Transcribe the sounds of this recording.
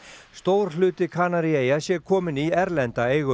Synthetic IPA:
st̪owɾ̥lʏːt̪ɪkʰaːnaɾɪeːjasjɛkʰɔːmɪniɛɾlɛnt̪aeːjɣʏ

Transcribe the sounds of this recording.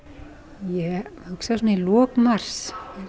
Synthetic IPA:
jɛʏksas̬ɔnilɔːkmar̥s

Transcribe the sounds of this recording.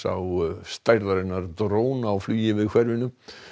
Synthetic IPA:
a̰wst̪ajɾlaɾɪnːaɾt̪ɾoːwnaːwflyːjɪvɪðkʰvɛɾvɪnʏm

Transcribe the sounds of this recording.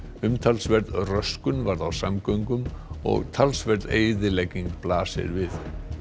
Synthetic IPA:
ʏmt̪ʰalsvɛɾt̪ðrœskʏnvaɾðawsamkœɥŋkʏmɔ̰ɣt̪ʰalsvɛɾt̪ðeːjðɪlejcːiŋkplaːsɪ̰ɾvɪð

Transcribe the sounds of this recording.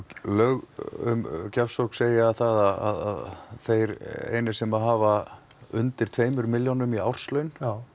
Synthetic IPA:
lœɣʏ̰mcafsokseːjɪaðθaðaa̰ða̰ðθejɾḛːjnɪsɛmaðɦaːva | ʏnt̪ɪɾ̥t̪ʰveːjmʏɾmɪljonʏmia̰wr̥slœɥn

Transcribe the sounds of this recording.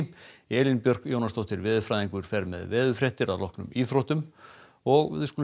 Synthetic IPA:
ɛːlɪnpjœr̥kjoːwnast̪owt̪ɪɾvɪːðʏfɾajðiŋkʏɾ̥fɛɾmɛ̰ðvɛːðʏfɾɛht̪ɪɾaðlɔhknʏ̰miːθɾowht̪ʏm | ɔɣ̰ðʏskul

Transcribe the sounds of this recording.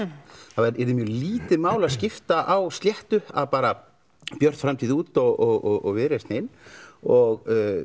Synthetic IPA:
θavɛɾɛɾðɪmjœliːt̪ɪmaːwlaðscɪft̪aʔawst̪ljɛht̪ʏa̰ðpaːɾa | pjœr̥t̪fɾamt̪ʰiːðuːt̪ɔɣɔɣɔɣɔ̰ɣvɪðɾɛsnɪnɔɣ

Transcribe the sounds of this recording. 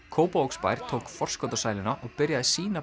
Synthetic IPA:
kʰoːwpaowkspa̰jɾ̥t̪ʰoːwkfɔr̥skɔwt̪asaːjlɪnaʔɔɣpɪɾjaðɪsiːna

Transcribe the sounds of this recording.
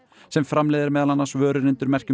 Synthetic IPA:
sɛmfɾamleːðɪɾmɛːðalanːḁsvœːɾʏɾɪnt̪ʏɾmɛr̥cʏ

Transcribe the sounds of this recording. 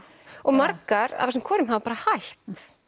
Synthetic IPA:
ɔɣmaɾkaɾa̰ðasɛmkʰɔːɾʏmhavapaːɾahajht̪

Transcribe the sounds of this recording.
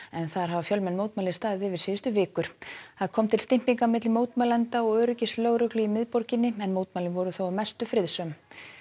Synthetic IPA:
ɛnθaɾ̥ɦavafjœlmɛnːmoːwt̪maːlɪ̥st̪aːðɪðɪvɪɾ̥siːʏst̪ʏvɪːkʏɾ̥θaðkʰɔmt̪ʰɪlst̪ɪm̥piŋkamɪt̪lɪmoːwt̪malɛnt̪aɔɣœːɾʏcɪslœɣɾœklʏimɪðpɔɾcɪnːɪɛnmoːwt̪malɪnvɔɾʏθowaðmɛst̪ʏfɾɪðsœm

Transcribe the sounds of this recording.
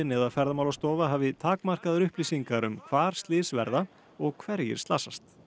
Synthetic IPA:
ɪnɛðafɛɾðamawlast̪ɔːvaɦaːvɪt̪ʰaːkmar̥kaðɾʏhpliːsiŋkaɾʏmkʰvaːɾ̥st̪lɪːsvɛɾða | ɔɣkʰvɛɾjɪ̰ɾ̥st̪aːsast̪

